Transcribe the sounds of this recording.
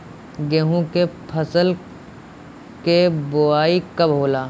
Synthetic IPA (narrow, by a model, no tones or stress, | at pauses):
ɡeɦũkepʰəsəl | kebʊaːikɐbɦoːlaː